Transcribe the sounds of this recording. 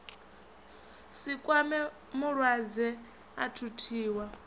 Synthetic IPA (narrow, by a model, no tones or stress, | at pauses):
sikʼwamɛ | muɺwad͡zɛ | a̰tʰutʰiːwa